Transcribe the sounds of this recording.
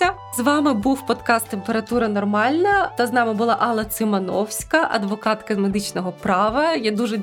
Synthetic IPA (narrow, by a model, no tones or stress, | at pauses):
ɐ | zʋɑmɪbuwpɔd̪kɑst̪ːempeɾɐt̪uɾɪnɔrmɑlʲnɐt̪ɐznɑmɪbʊlˠɑʔɑlˠɐt̪sɪmɐnɔwsʲkɐʔɐ̰d̪ʋɔkɑt̪kɐmed̪ɪt͡ʃnɔɦɔpɾɑʋɐjad̪uʒɛ